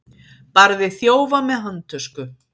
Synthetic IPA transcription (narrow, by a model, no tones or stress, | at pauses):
paɾðɪθjoːwvamɛðɦant̪ʰœskʏ